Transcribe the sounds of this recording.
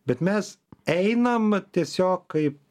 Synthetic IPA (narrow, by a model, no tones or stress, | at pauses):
bʲɛt̪mʲɛsɛɪnɐmt̪ʲiɛsʲoːkkɐɪp